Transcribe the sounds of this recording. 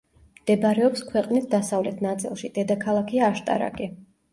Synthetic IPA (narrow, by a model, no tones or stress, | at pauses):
md̪̥ɛbaɾɛɔpskʰwɛqʼnisd̪asavlɛt̪ʰnat̪sʼilˠʃid̪̥ɛd̪akʰalˠakʰiaːʃt̪ʼa̰ɾa̰ɡʼi